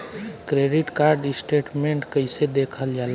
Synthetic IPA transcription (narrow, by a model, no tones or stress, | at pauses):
kɾeɖiʈkaɾɖsʈeʈmeɳʈkəɪsed̪ekʰəld͡ʒal